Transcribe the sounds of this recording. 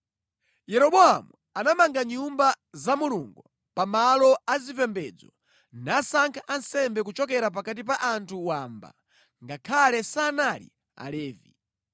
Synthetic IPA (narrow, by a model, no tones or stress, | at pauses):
jɛɾɔɓɔamu | anamaŋɡaɲumba | zamulṵŋɡu | pamalɔazipɛmbɛd͡zɔ | nasaŋkʰaʔansɛmbɛk̬ut͡ʃɔkɛɾap̬akat̬ip̬aʔantʰuwaːmba̰ | ŋɡakʰalɛsaːnalḭ | a̰lɛːvi